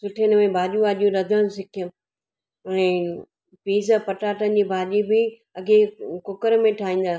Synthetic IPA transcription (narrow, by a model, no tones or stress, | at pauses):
sʊʈʰjənmẽbʱaːʄũaːʄijũɗɐd̪ʱəɽ̃ʊ̃sɪkʰijəm | ɛ̃ː | piːzəpɐʈaːʈənd͡ʑiːbʱaːʄibɪ | ɐɡekʊkəɾmẽʈʰaːĩːn̆d̪aː